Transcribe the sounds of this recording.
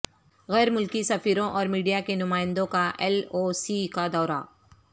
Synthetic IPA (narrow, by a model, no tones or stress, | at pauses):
ɣɛːɾmʊlkisɐfiːɾõʔɔːɾmiːɖijakenʊmaːɪ̃nd̪õkaʔɛloːsikad̪ɔːɾa̰